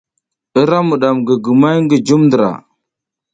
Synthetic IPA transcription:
ə˦ɾa˦mu˨ɗa˨mɡə˨ɡə˨ma˦jŋɡə˨d͡ʒu˦mndə˨ɾa̰˨

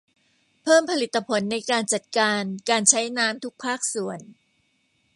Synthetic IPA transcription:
pʰɤː˥˩mpʰa˧li˨˩t̪ːa˧pʰo˩˦nːa˧jkaː˧nt͡ɕa˨˩t̪̚kaː˧nkaː˧nt͡ɕʰa˦˥jnaː˦˥mt̪ʰu˦˥k̚pʰaː˥˩k̚su˩˦ən

